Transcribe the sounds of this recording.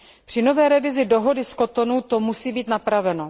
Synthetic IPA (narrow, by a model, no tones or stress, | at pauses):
pr̝̥ɪno̞vɛːɾɛvɪzɪdo̞ɦo̞dɪsko̞t̪o̞nut̪o̞musiːbiːt̪napɾavɛno